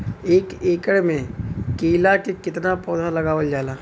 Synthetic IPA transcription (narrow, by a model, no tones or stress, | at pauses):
eːkeːkəɽmẽkeːlakekɪt̪napɔːd̪ʱalɐɡaːʋəld͡ʒaːlaː